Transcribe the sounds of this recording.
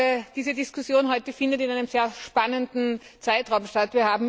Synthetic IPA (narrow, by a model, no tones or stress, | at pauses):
d̥iːzədiskʰʊsjoːnɦɔʏtəfɪndətɪnaɪnəmzeːɐʃpanəndn̩ | t͡saɪtʁaʊmʃtatviːɐhaːbm̩